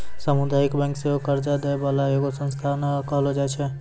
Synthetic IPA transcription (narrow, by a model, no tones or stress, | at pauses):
səmʊd̪aːɪkbɛ̃ːŋkseokəɾd͡ʒad̪ebalajoːɡosə̃nst̪ʰanekɔlod͡ʒat͡ʃʰɛ